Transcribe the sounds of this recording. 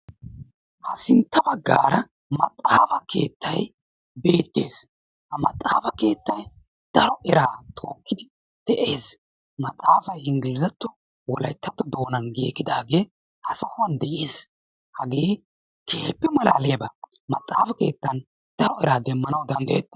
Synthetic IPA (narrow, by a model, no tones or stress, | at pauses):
hɐsɪnt̪ːɐbɐɡːa̰ːɾɐ | mɐt̪ʼːaːfɐke̞ːt̪ʰːɐj | be̞ːt̪ːeːs | hɐmɐt̪ʼːaːfɐke̞ːt̪ːɐj | d̪̥ɐɾɔɛɾaːt̪ʰo̞ːkːɪd̪ɪ | d̪̥ɛʔe̞ːs | mɐt̪ʼaːfɐjɪŋɡɪlɪzɐt̪ːɔ | wɔlɐjt̪ːɐt̪ːɔd̪o̞ːnɐnɡeːkːɪd̪aːɡe̞ː | hɐsɔhʊɐnd̪ɛʔeːs | hɐɡeː | kʰeːpːɛmɐla̰ːleːbɐmɐt̪ʼːaːfɐke̞̰ːt̪ːɐn | d̪̥ɐɾɔɛɾaːd̪ɛmːɐnɐwd̪ɐnd̪ɐjɛt̪ːɛ̥